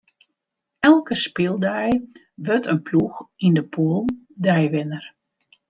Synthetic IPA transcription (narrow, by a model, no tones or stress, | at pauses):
ɛlˠkəspɪlˠdɛj | ʋøtənpʰluxindəpʰoːlˠ | dɛjʋɪnər